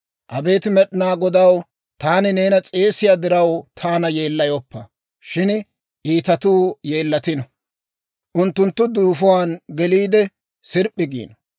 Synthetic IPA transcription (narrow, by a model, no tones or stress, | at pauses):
ʔɐbe̞ːt̪ɪmɛɗɪnaːɡɔd̪ɐw | t̪aːnɪne̞ːnɐt͡sʼe̞ːsɪjaːd̪ɪɾɐwt̪ʰaːnɐjeːlːɐjɔpːɐ | ʃɪn | ʔiːt̪ɐt̪uːje̞ːlːɐt̪ɪnɔ | ʔʊnt̪ːʊnt̪ːʊd̪uːfɔwaːnɡɛliːd̪ɛ | sɪɾpʼːɪɡḭːnɔ